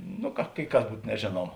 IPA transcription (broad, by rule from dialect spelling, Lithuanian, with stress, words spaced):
ˈnʊ kɐ kɐɪ ˈkɐs ˈbuːt nʲɛˈʒʲeːnuɔmɐ